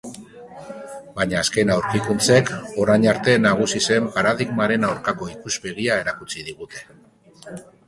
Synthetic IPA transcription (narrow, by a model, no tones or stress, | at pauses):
baɲaːske̞nawɾkikunt͡se̞ko̞ɾajɲaɾt̪e̞naɣ̞usise̞mpaɾaðiɣmaɾe̞nawɾkako̞ikuspe̞ɣ̞iae̞ɾakut͡siðiɣ̞ut̪e̞̥